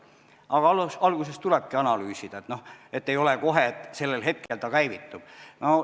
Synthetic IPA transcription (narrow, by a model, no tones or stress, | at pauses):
ʔɑɡ̥ɑlsɑlɡuse̞st̪ulɛb̥̚kiɑnɑlyːsid̪̥ɑet̪noe̞t̪ːejo̞leko̞ɦeet̪ːˑse̞lːelɦe̞t̪̚ke̞lt̪ɑkæjvit̪ːˑub̥no